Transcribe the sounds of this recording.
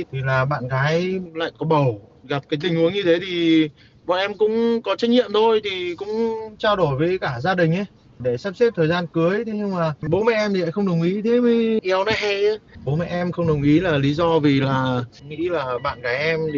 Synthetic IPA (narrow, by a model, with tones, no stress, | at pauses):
t̪ʰi˨˩laː˨˩ɓa̰ː˧˨nkaː˨˦jla̰ː˧˨jkɔ˨˦ɓə˨˩wɣa˨˩p̚kaː˨˦jt̪ï˨˩ŋ̟ʔu˨˦əŋɲɨ˧t̪ʰe˨˦t̪ʰi˨˩ | ɓa̰ː˧˨nʔɛ˧mkʊ̰˧˥ŋ͡mkɔ˨˦t͡ɕa˦˥k̚ɲḭ˧˨əmt̪ʰo˧jt̪ʰi˨˩kʊ̰˧˥ŋ͡mt͡ɕaː˧wɗo˧˩jvəː˨˦jkaː˧˩zaː˧ɗï˨˩ŋ̟ʔə˨˦j | ɗe˧˩saː˦˥p̚sɛ˦˥p̚t̪ʰəː˨˩zaː˧nkɨ˨˦əjt̪ʰe˨˦ɲɨ˧ŋmaː˨˩ɓo˨˦mɛ̰˧˨ʔɛ˧mi˨a̰ː˧˥jxə˧wŋ͡mɗə˨˩wŋ͡mʔi˨˦t̪ʰe˨˦mi˨˦ʔɛ˨˦wnɔ˨˦ɦa˧ja˨˦ɓo˨˦mɛ̰˧˨ʔɛ˧mxə˧wŋ͡mɗə˨˩wŋ͡mʔi˨˦laː˨˩li˨˦zɔ˧vi˨˩laː˨˩ | ŋḭ˧˥laː˨˩ɓa̰ː˧˨nkaː˨˦jʔɛ˧m˨˩